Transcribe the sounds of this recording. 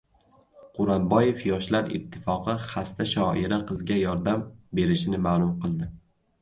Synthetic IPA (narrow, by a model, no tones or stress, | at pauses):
qʰʊɾambɒje̞fjɒʃlaɾɪ̰t̪ʰːɪfɒqʰɨχast̪aʃɒʔɪɾaqʰɨzɡʲajɒɾd̪ambe̞ɾɪʃɪnɪmaːlˠʊmqʰɨlˠd̪ɪ